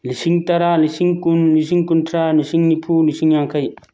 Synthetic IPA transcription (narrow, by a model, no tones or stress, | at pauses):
lisiŋtaɾalisiŋkunlisiŋkuntɾalisiŋnipʰulisiŋjaŋkaj